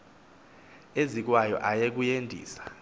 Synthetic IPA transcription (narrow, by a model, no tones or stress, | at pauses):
ezik̬wajɔ̰ʔajek̬ujendʱḭːsḁ